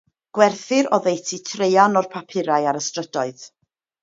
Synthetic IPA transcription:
ɡ̥wɛrθɪɾɔðejtʰitʰrejanɔrpʰapʰɪɾajaɾəstrədɔɨð

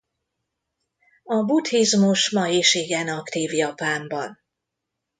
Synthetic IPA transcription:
ɒbut̪hizmuʃmɒjiʃiɡɛnɒkt̪iːvjɒpaːmbɒn

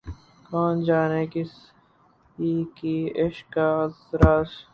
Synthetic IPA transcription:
kaːnd͡ʒaːneːkis | iːkieʃkaːsɾaːs

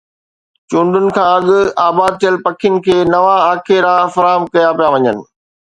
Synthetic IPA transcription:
t͡ɕũːɳɖʊnɪ̆kʰãːɐɠʊaːbaːd̪̚t̪ʰijəlpɐkʰɪjʊnɪ̆kʰeːnɐʋaaːkʰeɾaːfɐɾaːɦəmkɐjapijaʋɐɲənɪ̆

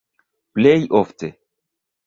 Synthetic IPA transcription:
plejʔofte

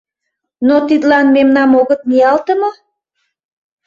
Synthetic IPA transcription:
not̪it̪lɑnmemnɑmoɣə̆t̪̚niɑlt̪əmo

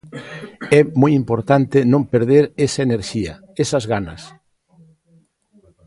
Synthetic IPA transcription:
ɛmojimpoɾt̪ant̪ɪnõmpeɾðeɾesɐeneɾʃiɐ | esɐzɣanɐs

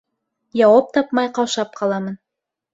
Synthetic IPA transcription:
jɑwɑp̚t̪ɑpmɑjqɑwʃɑp̚qɑlˠɑmɤn

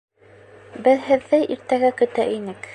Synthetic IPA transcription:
bɘðhɘ̆ðːɘʔiɾt̪æɡækɵ̆t̪æʔinɘk

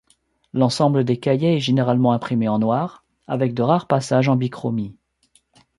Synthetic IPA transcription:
lɑ̃sɑ̃bləd̪ekajɛɛʒeneʁalmɑ̃ɛ̃pχimeɑ̃nwaːʁ | avɛk̚d̪əʁaʁpasaʒɑ̃bikχɔmi

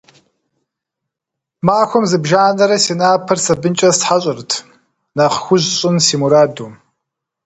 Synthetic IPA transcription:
maːxʷɔmzɨbʒaːnɐɾɐsiːnaːpʰɐrsɐbɨnt͡ʃʼɐsħaɕʼɪrtʰ | naːqxʷʊʑɕʼɪnsiːmuɾaːduː

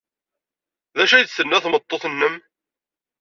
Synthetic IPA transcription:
ðæʃæjət͡s̪θənːæθmət̪ˤːoθnːəm

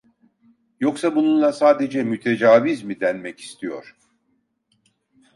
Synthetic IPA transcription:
jo̞ksabununlˠasaːd̪e̞d͡ʒɛmyt̪ʰe̞d͡ʒaːvizmid̪ɛnmɛci̥st̪ʰijo̞̰ɾ̥

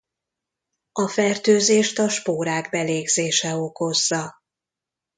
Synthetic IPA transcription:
ɒfɛrt̪øːzeːʃt̪ɒʃpoːɾaːɡbɛleːɡzeːʃɛo̞ko̞zːɒ

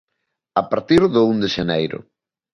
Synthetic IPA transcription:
apaɾt̪iɾðʊund̪eʃenejɾʊ̰

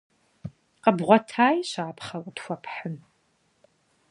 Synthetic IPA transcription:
qəbʁʷɔtʰaːjɕaːpʰχɐwtxʷɔpʰħən

